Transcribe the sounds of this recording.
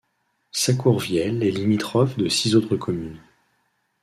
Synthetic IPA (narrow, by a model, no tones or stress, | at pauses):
sakuʁvjɛlɛlimit̪χɔfd̪əsizot̪χəkʰɔmyn